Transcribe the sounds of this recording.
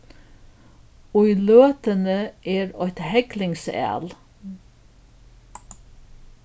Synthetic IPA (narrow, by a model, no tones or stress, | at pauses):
ɔʏløːt̪ənəʔeːɾœt̪hɛklɪŋsæ̰ːl